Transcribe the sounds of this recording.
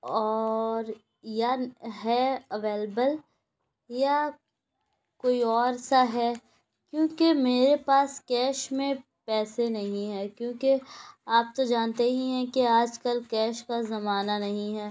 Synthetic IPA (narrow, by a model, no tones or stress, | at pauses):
ɔːɾ | jaɦɛɐʋeːləbəl | ja | koːiɔːɾsaɦɛː | kjõːkemeːɾepaːskɛːʃmẽ | pɛːsenɐɦĩɦɛːkjõːkeaːp̚t̪od͡ʒaːnt̪eɦĩɦɛ̃keaːd͡ʒkəlkɛːʃkazɐmaːnanɐɦĩɦɛː